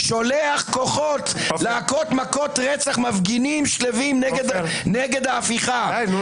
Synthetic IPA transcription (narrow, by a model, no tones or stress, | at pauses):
ʃoleaχkoχot̪leakot̪makot̪ʁet͡saχmavɡinimʃlevimneɡed̪neɡed̪aːfiχa